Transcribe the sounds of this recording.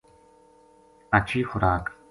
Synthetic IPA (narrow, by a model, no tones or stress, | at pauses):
at͡ɕiːχʊɾaːk